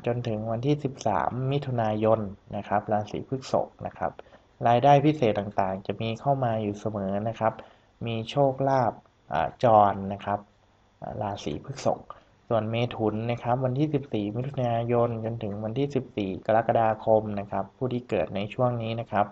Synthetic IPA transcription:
t͡ɕo˧nt̪ʰɯ˨˩˦ŋwa˧nt̪ʰiː˥˩si˨˩p̚sa̰ː˩˦mːi˦˥t̪ʰu˧naː˧jo˧nːa˦˥kʰa˦˥p̚ɾaː˧sḭː˩˦pʰɯ˦˥˩k̚so̰˨˩k̚na̰˦˥kʰa̰˦˥p̚ | ɾaː˧jdaː˥˩jpʰi˦˥seː˨˩t̪̚ːaː˨˩ŋt̪aː˨˩ŋt͡ɕa˨˩miː˧kʰa˥˩wmaː˧juː˨˩sa˧mɤː˩˦na˦˥kʰa˦˥p̚ | miː˧t͡ɕʰoː˥˩k̚laː˥˩p̚ | ʔa̰ː˨˩t͡ɕɔː˧nːa˦˥kʰa˦˥p̚ | ʔa̰ː˨˩laː˧sḭː˩˦pʰɯː˥˩k̚so̰˨˩k̚ | su˨˩ənmeː˧t̪ʰu˩˦nːa˦˥kʰa˦˥p̚wa˧nt̪ʰiː˥˩si˨˩p̚siː˨˩mi˦˥t̪ʰːu˧naː˧jo˧nt͡ɕo˧nt̪ʰɯ˨˩˦ŋwa˧nt̪ʰiː˥˩si˨˩p̚siː˨˩ka˧ɾa˦˥ka˧daː˧kʰo˧mna˦˥kʰa˦˥pʰːuː˥˩t̪ʰiː˥˩kɤː˨˩t̪̚na˧jt͡ɕʰu˥˩əŋniː˦˥na˦˥kʰa˦˥p̚

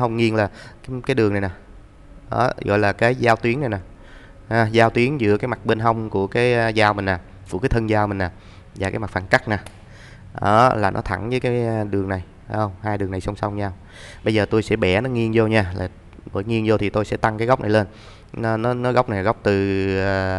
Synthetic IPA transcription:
ɦə˧wŋ͡mŋi˧ənlaː˨˩kaː˨˦kaː˨˦jɗɨ˨˩əŋna˨˩jnaː˨˩ | ʔə̰ː˨˦ɣɔ̰˧˨jlaː˨˩kaː˨˦jzaː˧wt̪wi˨˦əŋna˨˩jnaː˨˩ | haː˨˧zaː˧wt̪wi˨˦ənzɨ̰˧˥əkaː˨˦jma˨˩k̚ɓe˧nɦa˧wŋ͡mku˧˩əkaː˨˦jzaː˧wmï˨˩ŋnaː˨˩ | vṵ˧˥kaː˨˦jt̪ʰə˧nzaː˧wmï˨˩ŋ̟naː˨˩ | zaː˨˩kaː˨˦jma˨˩k̚fa̰ː˧˩nka˦˥k̚naː˨˩ | ʔə̰ː˧˦laː˨˩nɔ̰˨˦t̪ʰa̰˧˩ŋvəː˨˦jkaː˨˦ɗɨ˨˩əŋna˨˩j | ə˧wŋ͡mhaː˧jɗɨ˨˩əŋna˨˩jsa˧wŋ͡msa˧wŋ͡mɲaː˧w | ɓə˧jzəː˨˩t̪o˧jsɛ̰˧˥ɓɛ˧˩nɔ˨˦ŋi˧ənzo˧ɲaː˧laː˨˩ | ɓə̰ː˧˩˦jŋi˧ənzo˧t̪ʰi˨˩t̪o˧jsɛ̰˧˥t̪a˧ŋkaː˨˦ɣa˦˥wk͡p̚na˨˩jle˧n | n˨˦nɔ˨˦nɔ˨˦ɣa˦˥wk͡p̚n˨˩jɣa˦˥wk͡p̚t̪ɨ˨˩˨

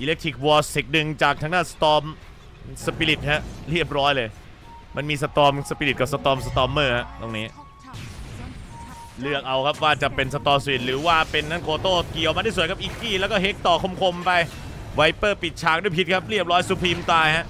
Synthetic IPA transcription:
ʔiː˧le˦˥kt̪ʰi˨˩k̚wɔː˧si˨˩k̪̚nɯ˨ŋt͡ɕaː˨˩k̪̚ʰa˦˥ŋdaː˥˩nsḁ˧t̪ɔː˧m | sa˧pi˧li˨˩t̪̚hɛ˦˥ʔɾi˥˩əp̚ɾɔː˦˥jlɤː˧j | ma˧nmiː˧s̬a˧t̪ɔː˧msa˧pi˧li˨˩ka˨˩sa˧t̪ɔː˧msa˧t̪ɔː˧mːɤː˥˩ha˦˥ʔt̪o˧˩ŋniː˦˥ | lɯ˥˩ək̚ʔa˧wkʰa˦˥p̚waː˥˩t͡ɕa˨˩pe˧nsa˧t̪ɔː˧mswi˨˩t̪̚ɾɯː˩˦waː˥˩pe˧nːa˦˥nkoː˧t̪oː˥˩ki˨˩əwma˧iː˥˩su˨˩kʰa˦˥p̚ʔiː˨˩kːiː˥˩lɛ˦˥kɔː˥˩ɦe˦˥k̚t̪ɔː˨˩kʰo˧mkʰo˧mpa˧j | wa˧˩jpɤː˥˩pi˨˩t̪̚t͡ɕʰaː˨˩k̚du˥˩˨jpʰi˦˥t̪̚kʰa˦˥p̚ɾi˥˩əp̚ɾɔː˦˥jsuː˧pʰiː˧mt̪aː˧jha˦˥ʔ

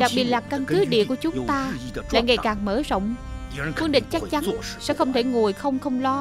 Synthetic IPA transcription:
ɗa˨˩k̚ɓi˨˩ət̚laː˨˩ka˧nkɨ˨˦ɗḭ˧˨ku˧˩ət͡ɕʊ˨˦ŋ͡mt̪aː˧lla̰ː˧˨jŋa˨˩jkaː˨˩ŋməː˧˦zo̰˧˨wŋ͡mfwɨ˧əŋɗï˨ŋ̟t͡ɕa˦˥k̚t͡ɕa˨˦n˨sɛ̰˧˥xə˧wŋ͡mt̪ʰe˧˩ŋu˨˩əjxə˧wŋ͡mxə˧wŋ͡mlɔ˧

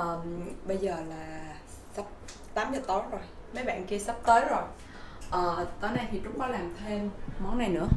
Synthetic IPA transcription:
ʔəː˨˩ɓə˧jzəː˨˩laː˨˩ | sə˦˥p̚ | t̪aː˨˦mzəː˨˩t̪o˨˦zo˨˩jmə˨˦jɓa̰ː˧˨nki˧əsp̚t̪əː˨˦jzo˨˩j | ʔəː˨˩t̪ə˧˩na˧jt̪ʰi˨˩t͡ɕʊ˨˦ŋ͡mkɔ˨˦laː˨˩mt̪ʰe˧mmɔ˨˦nːa˨˩jnɨ̰˧˥ə

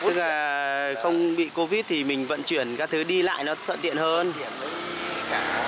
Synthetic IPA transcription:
tɨ˦˥k̚laː˨˩xə˧wŋ͡mɓḭ˧˨ko˨˦vi˦˥t̚t̪ʰi˨˩mï˨˩ŋ̟və̰˧˨nt͡ɕwi˧˩ənkaː˨˦˥kt̪ʰɨ˨˦ɗi˧la̰ː˧˨jnɔ˨˦t̪ʰwə̰˧˨nt̪ḭ˧˨ənhəː˧n˧˨˦

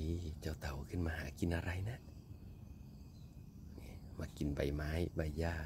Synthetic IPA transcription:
i˧˦t͡ɕa˧˩wt̪a˨˩wkʰɯ˧˥˨nmaː˧haː˨˦ki˨˦nʔa˧ɾa˧˨jna˧˥ | ni˧˦ma˧ki˨˦nba˨˩jmaː˨˦jba˨˩jːaː˧˩

